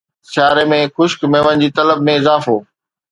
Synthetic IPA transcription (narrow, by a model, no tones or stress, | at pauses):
saːɾemẽxʊʃkmẽːʋənɪ̆d͡ʑiːt̪ɐləbmẽɪzaːfoː